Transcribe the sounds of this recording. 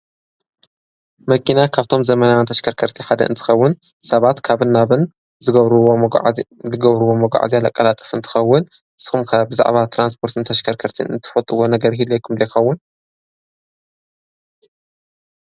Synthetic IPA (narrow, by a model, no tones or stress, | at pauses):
mɐkʰinakʰaβt̪ʰo̞mzɐmɐnawɨnt̪ʰɐʃkʰɐɾkʰɐɾt̪ʰiħad̪ɐ̰ʔɨnt̪ʰɨ̥xɐwːʊn | sɐβat̪kʰaβɨnːaβɨn | zɨɡɐβɾuwo | ɨɡɐβɾɨwo̞mɐɡʷa̰ʕ̰zialɐkʼːɐlat̪ʼɨ̥fɨnt̪ʰɨ̥xɐwːʊnʔɨsxumkʰabɨza̰ʕβat̪ʰɾans̬pʰo̞ɾt̪ʰɨnt̪ʰɐʃkʰɐɾkʰɐɾt̪ʰḭnɨ̰nt̪ʰɨ̥fɐt̪ʼɨwo̞nɐɡɐɾɦilːojkʰumdɐjxɐwːʊn